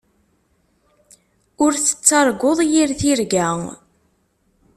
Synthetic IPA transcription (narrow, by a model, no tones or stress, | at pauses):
ʊɾθə̥t͡sːɑɾˤɡoðˤjiɾθiɾɡæŋ